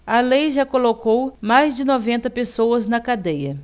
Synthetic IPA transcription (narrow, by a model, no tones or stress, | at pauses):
ɐlejʒakolokowmajzd͡ʒɪnɔvẽnt̪ɐpesowɐznɐkad̪ejɐ